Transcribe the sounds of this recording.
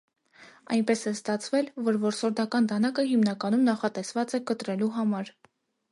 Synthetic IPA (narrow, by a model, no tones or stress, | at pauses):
ɑ̰jnpɛsɛst̪ɑt͡sʰvɛlvɔɾvɔɾsɔɾd̪ɑkɑnd̪ɑnɑkəɦimnɑkɑnumnɑχɑt̪ɛsvɑt͡sɛkət̪ɾɛluɦɑmɑɾ